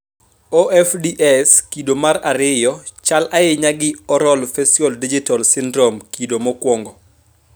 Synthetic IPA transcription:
oʔɛfdiʔɛskidomaɾaɾɪjɔt͡ʃalʔaɪɲaɡɪɔɾɔlfɛstɔldid͡ʒitɔlsɪndɾɔmkidomɔkwɔŋɡɔ

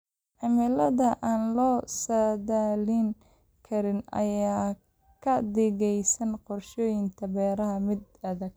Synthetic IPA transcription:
ʕɪmɪlɐðɐʔaːnlɔːsɐðalɪŋ | kʰɐɾɪnɐ̰jaː | kʰɐd̪ɪɣɛjsɐnqɔrʃɔːjɪŋt̪ʰɐbɛːɾɐɦɐmɪd̪ɐðɐɡ̚

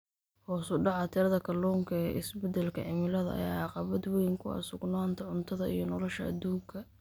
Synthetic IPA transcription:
hɔːsʊɖɑʕɑt̪ʰɪɾɐðɐkʰɐlɔːŋkʰɐɛʔɪsbɛd̪ɛlkʰɐ̰ʕɪmɪlɐðɐ̰ʔɐ̰ja̰ːʕɑqɑβɐd̪wɛjŋkʰʊɐ̰sʊɡnaːnt̪ʰɐʕʊnt̪ʰɐðɐḭjɞnɔlɔʃɐːd̪uːŋkʰɐ

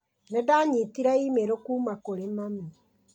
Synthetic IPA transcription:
nɛdaɲitiɾaimeɾokuːmakoɾemami

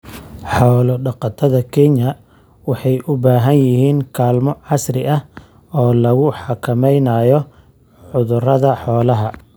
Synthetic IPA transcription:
ħɔːlɔɖɑqɑt̪ʰɐðɐkʰɛnɐ | wɑħɑjʔʊbaːɦɐnjɪɦiːŋkʰaːlmɔʕɑsrɪʔɐh | ɔːlɐɣʊħɑkʰɐmɛjnaːjɔ | ʕʊðʊrɐðɐħɔːlɐɦɐ

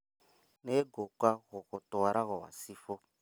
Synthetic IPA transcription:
neɡokaɣɔɣɔtʊwaɾʔaɣɔwa̰sifo

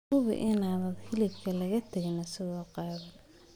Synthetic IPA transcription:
ʊβɪ̰ʔɪnaːðɐd̪hɪlɪbkʰɐlɐɣɐt̪ʰɐɣɪnɐsɪɣɔːqɑːðɐ

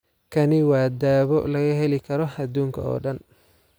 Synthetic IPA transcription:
kʰɐnɪwaːd̪aːβɔlɐɣɐɦɛlɪkʰɐɾɔhɐd̪uːŋkʰɐ̰ɔ̰ːɖɐn

